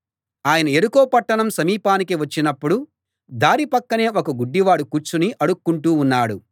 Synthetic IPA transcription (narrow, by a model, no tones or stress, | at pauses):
aːjɐnɐeɾukoːpɐʈːɐɳɐmsɐmiːpaːnikiʋɐt͡ʃːinɐpːuɽu | d̪aːɾipɐkːɐne̞ːokɐɡuɖːiʋaːɽukuɾt͡ʃuniʔɐɽukːuɳʈuːnːaːɽu